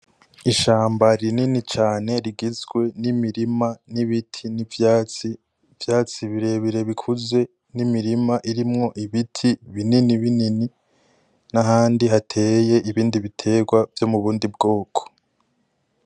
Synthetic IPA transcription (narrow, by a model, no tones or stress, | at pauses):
iʃaːmbaɾininit͡ʃaːne̞ɾiɡizɡwe̞nimiɾimaniβitʰinivjat͡si | vjaːt͡siβiɾe̞βiɾe̞βikʰuze̞ | nimiɾimaʔiɾimŋo̞ʔiβitʰiβininiβinini | naɦaːndiɦatʰeje̞ʔiβiːndiβitʰe̞ːɡwavjo̞muβuːndib̚ɡoːkʰo̥